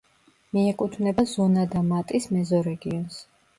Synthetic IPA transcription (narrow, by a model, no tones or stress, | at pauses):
miɛkʼut̪ʰvnɛbazɔnad̪amat̪ʼismɛzɔɾɛɡiɔns